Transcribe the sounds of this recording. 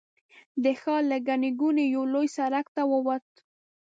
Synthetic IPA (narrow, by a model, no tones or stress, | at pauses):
d̪əxɑləɡaniɡunejawlojsaɾakt̪awəwat̪̚